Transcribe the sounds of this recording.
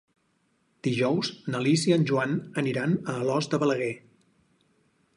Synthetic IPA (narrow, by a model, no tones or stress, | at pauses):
d̪̥iʒɔwznəlisiənʲʒuanəniɾanəːlɔzd̪əβələɣɛ